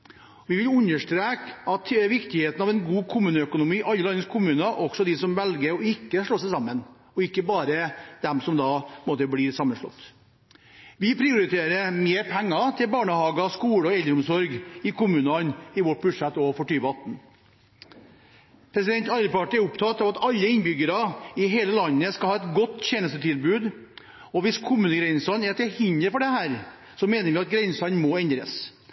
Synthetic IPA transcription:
ʋɪʋɪlʉɲːəʂʈɾeːkɑt̪ʋɪkt̪ɪheːt̪nɑʋɛnɡuːkʰʊmʉːnəœkʊnʊmiːʔɑlːəlɑnːəskʰʊmʉːnɑʔɔɡ̥sɔd̪ɪsɔmʋɛlɡəɾɔɪkːəʂɭoːsæɪsɑmːən | ɔɪkːəbɑːɾəd̪̥ɛmpsɔmd̪ɑːpmoːt̪əbliːsɑmːənʂɭɔ̰t̪ː | ʋɪpʰɾɪʊɾɪt̪ʰeːɾəmeːɾpʰæŋːɑt̪ʰɪlbɑːɳəhɑːɡɑskuːɽəɔɛld̪əɾʊmsɔɾɡɪkʊmʉːnɑnɪʋɔʈ̚bʉd̪ʂæt̪ːɔfɔʈyːʋəɑt̪n̩ | pʰɾɛsɪd̪ɛnt̪ɑləpɑʈɪɛɾʊpt̪ʰɑt̪ːɑːʋɑt̪ɑlːəɪnbʏɡəɾɑɪɦeːləlɑnːəskɑlhɑːɛt̪ɡɔt̪ːçeːnəst̪ət̪ʰɪlbʉːd̪ | ɔʋɪskʰʊmʉːnəɡɾɛɪnsɑnɛɾt̪ɛhɪnəɾfɔɖɛhæːɾ | sɔmeːnəɾʋɪɑt̪̚ɡɾɛɪnsɑnmɔɛnd̪ɾə̰s

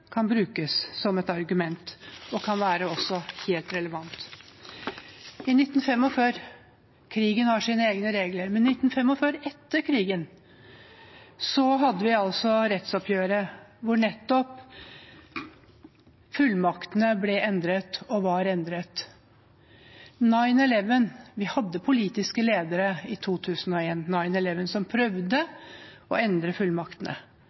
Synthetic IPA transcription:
kʰɑnbɾʉːkəsːɔmɛt̪ɑɾɡʉmɛnt̪ɔkʰɑnʋæːɾəɔsɔheːlt̪ɾɛləʋɑnt̪ | ɪnɪt̪ːn̩fɛmːɔføːɾ | kʰɾiːɡənhɑʂiːnəeːɡnəɾeːɡləɾmɛnnɪt̪ːn̩fɛmːɔføːɾɛt̪ːəɾkʰɾiːɡən | sɔɦɑd̪ːəʋɪɑlsɔɾɛt̪sɔpʰjøːɾəʋʊɳɛt̪ːɔp | fʉlmɑkt̪nəblɛʔɛnd̪ɾət̪ɔʋɑɾɛnd̪ɾət̪ | nɑɪnɛlɛʋənʋɪhɑd̪ːəpʰʊliːt̪ɪskəleːd̪əɾəɪt̪ʰuːt̪ʰʉːsənɔeːnːɑɪnɛlɛʋənsɔmpʰɾœʋd̪əɔ̰ɛnd̪ɾəfʉlmɑkt̪ənə̰

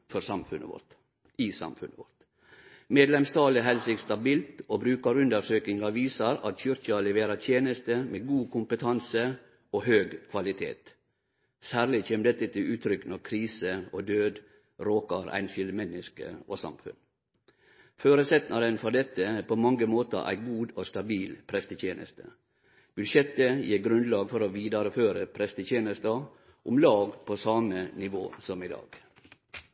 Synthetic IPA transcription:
fɔɾsɑmfʉnʔə̰ʋɔ̰ɾt̪ | ɪsɑ̰mfʉnəʋɔ̰ɾt̪ | meːd̪lɛmst̪ɑːlɪɦɛlsɪkst̪ɑbiːlt̪obɾʉːkɑɾʉnd̪əɾʂøːkɪŋɑʋiːsɑɾɑ̰t̪çʏɾçɑlɛʋeːɾət̪ʰjeːnəst̪əmeɡuːkʊmpət̪ʰɑnsə | oɦøːɡkʰʋɑlɪt̪ʰḛːt̪ | sæːɾlɪçeːmd̪ɛt̪ːət̪ʰɪlʉːt̪ʰɾʏknɔɾkʰɾiːsəod̪øːd̪ | ɾoːkəɾæ̰ɪnfɪlmɛnɪskə̰osɑ̰mfʉ̰n | føːɾəsɛt̪nɑɾənfɔd̪ɛt̪ːəpʰomɑŋɡəmoːt̪ə̰ɾʔæ̰ɪɡuːd̪oːst̪ɑbiːlpʰɾɛst̪ət̪ʰjeːnʔə̰st̪ə̰ | b̥ʉʃjɛt̪əjiːɾɡɾʉnlɑːɡfɔɾoːʋiːd̪ɑɾəføːɾəpʰɾɛst̪ət̪ʰjeːnəst̪ə | ʔʊmlɑːɡpʰoːsɑmənɪʋo̰ːsɔmɪd̪ɑ̰ːɡ̥

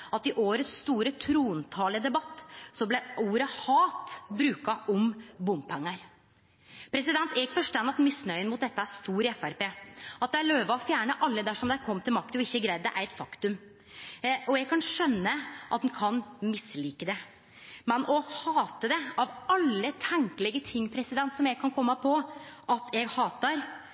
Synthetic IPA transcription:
ɑt̪ɪʔoːɾət̪st̪uːɾət̪ʰɾuːnt̪ʰɑːləd̪ɛbɑt̪ːsɔblɛuːɾəhɑːt̪bɾʉːkɑʔɔmbʊmpʰɛŋːəɾ | pʰɾɛsɪd̪ɛnt̪ɛɡfɔʂʈ̪ɑnːɑt̪mɪsnœʏənmʊt̪̚d̪ɛt̪ːəæst̪uːɾɛfæɾpeːɑt̪̚d̪ɛæɭøːʋɑɔfjæːɳəʔɑlːəd̪æʂɔmd̪ɛækʰɔmːt̪ʰɪlmɑk̚t̪ʉɪçːəɡɾæɪd̪əʔæɛt̪fɑkt̪ʉm | ɔɛɡ̚kʰɑnʂœnːəʔɑt̪̚d̪ɛnkʰɑnmɪsliːkəd̪ɛ | mɛnɔhɑːt̪əd̪ɛɑʋɑlːət̪ʰæŋkəlɛɡət̪ʰɪŋːpʰɾɛsɪd̪ɛnt̪sɔmjɛɡ̚kʰɑnkʰɔmːəpʰɔʔɑt̪ʰɛɡhɑːt̪əɾ

